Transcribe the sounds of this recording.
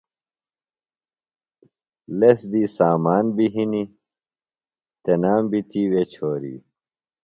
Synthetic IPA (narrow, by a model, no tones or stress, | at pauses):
lesd̪iːsaːmaːnbiɦini | t̪enaːmbit̪iwet͡ɕʰoːɾḭː